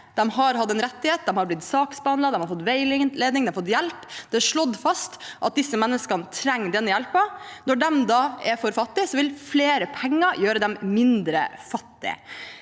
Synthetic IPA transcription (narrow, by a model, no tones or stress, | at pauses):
d̪̥ɛmhɑɾhɑd̪ːɛnɾɛt̪ːɪheːt̪̚d̪ɛmhɑɾblɪt̪sɑːksbəɑnɑd̪ɛmhɑɾfɔt̪ːʋæɪlɪleːd̪ɪŋd̪ɛmɑfɔt̪ːjɛlpd̪̥ɛʂɭɔd̪ːfɑst̪ʔɑt̪̚d̪ɪsːəmɛnːəskɑnt̪ʰɾɛŋːd̪ɛnːəjælpɑnɔɖɛmd̪ɑɛfɔɾfɑt̪ːɪsɔʋɪlfleːɾəpʰɛŋːəjøːɾəd̪ɛmmɪnd̪ɾə̰fɑt̪ːɪ̰